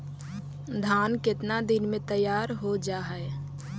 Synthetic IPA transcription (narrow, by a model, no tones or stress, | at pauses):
d̪ʱaːnkɪt̪nad̪ɪnmẽt̪əjaːɾɦod͡ʒaːɦɛe